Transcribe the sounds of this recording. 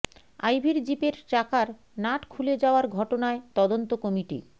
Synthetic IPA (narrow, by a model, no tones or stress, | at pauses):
ajbʱiɾd͡ʑipeɾt͡ɕakaɾ | naʈkʰuled͡ʑaoaɾɡʱɔʈonaet̪ɔd̪ont̪okɔmiʈḭ